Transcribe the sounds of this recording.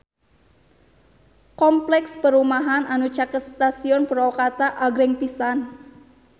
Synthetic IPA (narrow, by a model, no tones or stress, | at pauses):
kɔmplɛkspəɾumaɦanʔanu̥t͡ʃakət̪̚st̪asiɔnpəɾɔwkat̪aʔaɡɾɪŋpisan